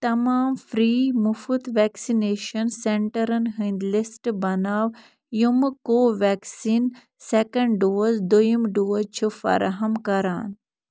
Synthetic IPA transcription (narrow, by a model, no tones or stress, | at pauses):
t̪ɐmaːmfɾiːmufut̪ʋɛksineːʃɐnseɳʈɐɾɐnɦɨ̃nd̪lɪsʈbɐnaːʋ | jumkoːʋɛːksiːn | sekɐ̃ɳɖɖoːzd̪ujimɖoːzt͡ʃʰufɐ̰ɾa̰ɦɐmkɐɾaːn